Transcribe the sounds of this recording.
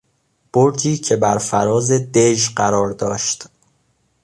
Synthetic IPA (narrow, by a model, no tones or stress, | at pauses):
b̥oɾt̪ʰiːcʰe̞bæɾfæɾɒːze̞d̪eʒɢæɾɒːɾd̪ɒːʃt̪